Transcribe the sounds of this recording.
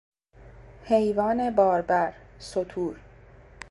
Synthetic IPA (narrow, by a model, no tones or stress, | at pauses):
hejvɒːne̞bɒːɾbæɾsot̪ʰuːɾ